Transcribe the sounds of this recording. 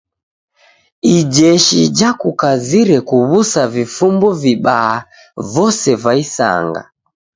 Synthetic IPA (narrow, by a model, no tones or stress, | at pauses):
id͡ʒɛʃid͡ʒakukaziɾɛkuβusavifumbɔviɓaː | vɔsɛvaisa̰ŋɡa̰